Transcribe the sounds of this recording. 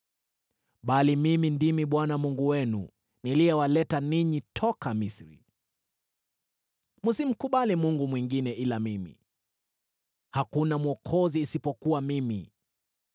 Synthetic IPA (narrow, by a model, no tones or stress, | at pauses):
ɓalimimindimiɓwanamuŋɡuwɛnṵ | nilijɛwalɛtaniɲitʰɔkamisɾḭ | musim̩kuɓalimuŋɡumwiŋɡinɛʔilamimḭ | hakunamuɔkʰɔziːsipɔkuwamimi